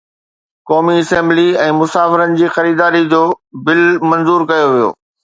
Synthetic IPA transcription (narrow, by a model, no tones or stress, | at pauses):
kɔːmiɪsɛ̃ːmbliɛ̃ːmʊsaːfɪɾənɪ̆d͡ʑiːxɐɾiːd̪aːɾid͡ʑoːbɪlmɐ̃nzuːɾkɐjoʋijo̰ː